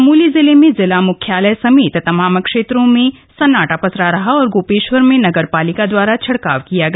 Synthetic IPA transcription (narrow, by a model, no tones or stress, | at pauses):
muːlizɪlemẽzɪlamʊkʰjaːləjsɐmeːt̪t̪ɐmãːmkʃeːt̪ɾõmẽ | sɐnaːʈapɐsɾaɾɐɦaɔːɾɡoːpeːʃwəɾmẽnɐɡəɾpaːlɪkad̪waːɾat͡ʃʰɐɽkaːʋkijaɡɐ